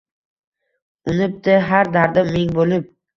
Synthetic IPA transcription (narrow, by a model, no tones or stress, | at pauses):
ʊnɪp̚d̪ɪɦaɾd̪aɾd̪ameŋʲbolɪp̚